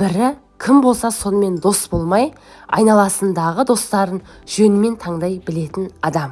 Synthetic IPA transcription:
bɪɾɪ | kʲʰɪmbo̞lˠsɑso̞nəme̞nd̪o̞sbo̞lˠmɑj | ɑ̰jnɑlˠɑsənd̪ɑʁəd̪o̞st̪ɑɾən | ʒ̥ɵnɪme̞nt̪ʰɑɴd̪ɑjbɪle̞t̪ɪnɑd̪ɑm

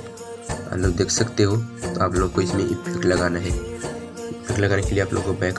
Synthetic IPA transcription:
a̰nlod̪ekʰsəkt̪eɦot̪ɔaplokːoismiʔipʰekləɡanaɦe | ipʰekləɡanjakeliːaplʔo̰kobajk

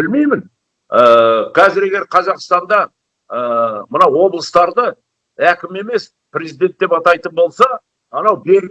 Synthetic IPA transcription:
bɪlmejmɪn | əkʲʰæzɪɾe̞ɡʲe̞ɾqʰɑzɑqst̪ɑnd̪ɑ | əmənɑwwo̞blˠəst̪ɑɾd̪ə | ækʲɪme̞me̞s | prʲezid̪e̞nt̪ːe̞pɑt̪ɑjt̪ənbo̞lˠsɑ | ɑnɑwbe̞ɾʲ

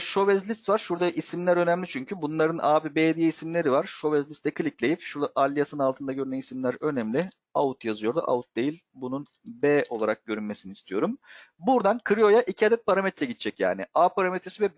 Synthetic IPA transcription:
ʃo̞vɛzlʲist̪vaɾʃuɾd̪aʔisimlʲæɾø̞næmlʲit͡ʃʰyɲcʰybunlˠaɾɯnʔaːbibeːd̪ijisimlʲe̞ɾivaɾ̥ʃo̞vɛzlʲist̪ʰːɛkʰɯlʲiclʲejipʃuɾd̪aʔalʲːijasɯnnalˠt̪ʰɯnd̪aɟøɾynænisimlʲæɾø̞nɛmlʲɪ | aut̪jazɯjo̞ɾd̪a̰ʔa̰vut̪̚d̪e̞jilʲbunun | bɛo̞lˠaɾak̚ɟ̥ø̞ɾynme̞siniːst̪ʰijo̞ɾumbuɾd̪ankʰɯɾijo̞jaʔicʰiad̪ɛt̪̚pʰaɾamet̪ɾɛɟit̪t͡ʃʰɛcja̰ːnɪ̰aːpaɾamet̪ʰɾesivɛ

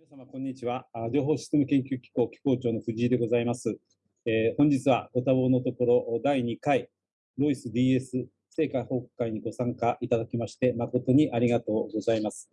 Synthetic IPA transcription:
iasamakõ̞ɲ̟ːit͡ɕiβad͡ʑo̞ːɦo̞ːɕi̥t͡semɯ̟kẽ̞ŋkʲɨːkʲi̥ko̞ːkʲi̥ko̞ːt͡ɕo̞ːnoɸɯ̟ʑiːd̪e̞ɡo̞zaimasɨ | ehõɲ̟d͡ʑit͡sɨβa̰ɡ̥o̞t̪aβo̞not̪o̞ko̞ɾo̞ʔd̪aiɲ̟ikai | ɾo̞isɨd̪ʲiːe̞sɨ | se̞ːkaho̞ːkɯ̥kːaiɲ̟iɡo̞sãŋkaʔit̪ad̪akʲimaɕi̥t̪e̞mako̞t̪o̞ɲ̟iʔaɾʲiɡat̪o̞ːɡo̞zaimasɨ̥

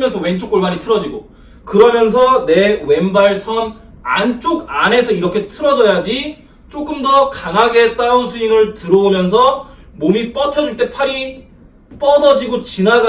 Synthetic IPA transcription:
mjʌnsʰʌwe̞nt͡ɕʰok͈oɭmaɲitʰɯɾʌd͡ʑiɡo | kɯɾʌmjʌns̬ʰʌne̞we̞mbaɭsʰʌn | a̰nt͡ɕ͈oɡane̞sʰʌiɾʌkʰe̞tʰɯɾʌd͡ʑʌjad͡ʑi | t͡ɕ͈ok͈ɯmdʌkaŋɦaɡe̞t͈aunsʰuinɯɭtɯɾʌumjʌns̬ʰʌmonip͈ʌt͡ɕʰʌd͡ʑuɭt͈e̞pʰaɾi | p͈ʌdʌd͡ʑiɡot͡ɕinaɡa

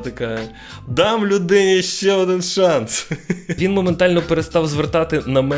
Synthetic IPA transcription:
t̪ɐkɑ | d̪ɑmlʲʊd̪ɪnʲiʃt͡ʃɛɔd̪ɪnʃɑnsʋʲinmɔment̪ɑlʲnɔpeɾest̪ɑwzʋert̪ɑt̪ɪnɐmɛ

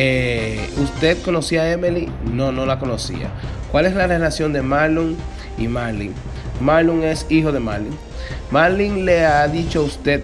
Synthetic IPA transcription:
eust̪e̞ðko̞no̞siaemelino̞no̞lako̞nosḭa̰kwale̞slarelasjo̞nd̪e̞maluŋ | imaɾlḭŋ | maluŋe̞sixo̞ðe̞maɾliŋ | maɾliŋleaðit͡ʃoaust̪ed̪̚

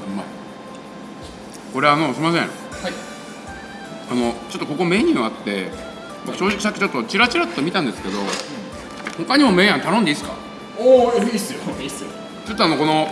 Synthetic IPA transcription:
ma̰ | ko̞ɾe̞ano̞sɨɾʲimas̬ḛ̃ | hai | ano̞t͡ɕo̞t̪ːokoko̞me̞ɲ̟ʲɯːat̪ːe̞ | bokɯ̥ɕo̞ːʑikʲis̬akʲːit͡ɕot̪ːo̞t͡ɕiɾat͡ɕiɾat̪t̪ːomʲit̪ãnd̪e̞sɨ̥ke̞d̪o̞ | hokaɲ̟imo̞me̞j̃ãnt̪anõnd̪e̞iːsɨ̥ka̰ | oisɨisɨ | t͡ɕo̞t̪ːoano̞ko̞no̞

